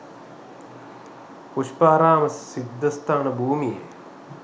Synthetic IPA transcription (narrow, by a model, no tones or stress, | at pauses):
puʃpaːɾaːməsid̪ʱːəst̪ʰaːnəbʱuːmijḛ